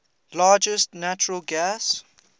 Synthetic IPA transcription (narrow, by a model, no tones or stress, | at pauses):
lɑːd͡ʒəstnat͡ʃəɹəlɡæs